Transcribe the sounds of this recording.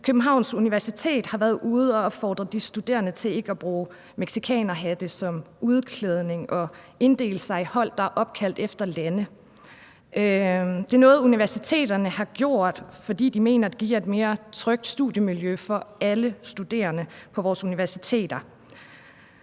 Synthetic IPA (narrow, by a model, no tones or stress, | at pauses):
kʰøb̥̚n̩ɦɑ̈ʊ̰nsuniʋæɐsit͡sʰe̝̰ːd̥hɑ̈ʋæːɐð̩ˠʔuð̞̩ˠɒɒ̽b̥fɒ̰ːd̥ʁɐd̥isd̥ud̥e̝̰ːɐnət͡sʰe̝le̝ɡ̥əɒb̥ʁuː | meɡ̥sikʰɛ̰ːnɐɦæd̥əsɒ̽muð̞ˠkʰleð̞ˠne̝ŋʔɒ̽ | e̝nd̥e̝̰ːləsɑ̈ɪhɒ̽l̰d̥ɑ̈æʔɒ̽b̥̚kʰæl̰d̥efd̥ɐlænə | d̥e̝ːɐnɔ̽ːð̞̩ˠuniʋæɐsit͡sʰe̝̰ːd̥ɐnəhɑ̈ɡ̥jo̝ɐ̰d̥fɒ̽d̥ḭːd̥ime̝̰ːnɐd̥e̝ɡ̥iɐe̝d̥me̝ːɐt͡sʰʁœɡ̥̚d̥sd̥uðˠjəmiljøfɒ̽æləsd̥ud̥e̝̰ːɐnəpʰɒ̽ʋɒːsuniʋæɐsi̥t͡sʰe̝̰ːd̥ɐ